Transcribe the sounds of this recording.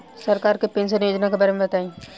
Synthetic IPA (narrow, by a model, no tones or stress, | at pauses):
sɐɾkaːɾkepẽːnʃənjoːd͡ʒnakebaːɾemẽbɐt̪aːĩː